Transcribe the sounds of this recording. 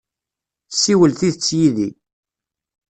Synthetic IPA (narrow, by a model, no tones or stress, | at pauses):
sːiwəlθiðət͡sːjiði